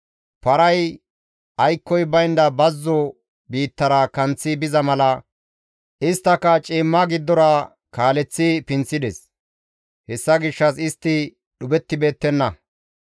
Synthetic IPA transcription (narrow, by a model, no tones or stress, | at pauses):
pɐɾɐj | ɐjkːɔjbɐjnd̪ɐbɐzːɔ | biːt̪ːɐɾɐkɐnt͡sːɪbɪzɐmɐlɐ | ʔɪst̪ːɐkːɐt͡ʃʼiːmːɐɡɪd̪ːɔɾɐ | kaːlɛt͡sːɪpɪnt͡sːɪd̪ɛs | hɛsːɐɡɪʃːɐsɪst̪ːɪ | ɗʊbɛt̪ːɪbe̞ːt̪ːɛnːɐ